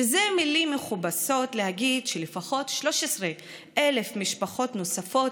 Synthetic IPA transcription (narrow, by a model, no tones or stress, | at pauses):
ezemilimːeχubaso̞tlehaɡid̪ʃelefaχo̞tʃlo̞ʃesʁe | ʔele̞fmiʃpaχo̞tno̞safo̞t